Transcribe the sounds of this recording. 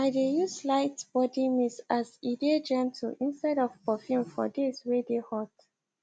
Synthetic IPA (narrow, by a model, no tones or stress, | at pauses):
aɪdejuslaɪtb̥ɔdimisazided͡ʒɛ̃mtʰṵʔĩnstaɪdɔvpɔfĩmfɔ̰deswedehɔt